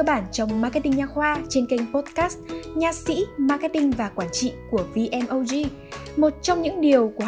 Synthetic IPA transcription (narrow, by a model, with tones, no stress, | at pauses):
ə˧ɓaː˧˩nt͡ɕɔ˧wŋ͡mma˧kɛ˦˥t̪i˧ŋɲaː˧xwaː˧t͡ɕe˧nke˧jŋ̟po˦˥t̚kaː˦˥st̚ɲaː˧˩sḭ˧˥maː˧kɛ˦˥t̪ï˧ŋ̟vaː˨˩kwaː˧˩nt͡ɕḭ˧˨ku˧˩əvi˧ʔɛ˧mʔə˧wzi˧ | mo˨˩t̚t͡ɕɔ˧wŋ͡mɲɨ̰˧˥ŋɗi˨˩əwku˧˩